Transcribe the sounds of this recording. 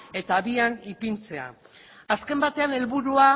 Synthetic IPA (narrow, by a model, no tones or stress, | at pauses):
e̞t̪aβianipint͡se̞a̰ | aske̞mbat̪e̞ane̞lβuɾua